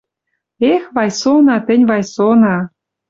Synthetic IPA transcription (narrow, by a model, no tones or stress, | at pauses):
exβɑjsonɑt̪ə̆nʲβɑjsonɑ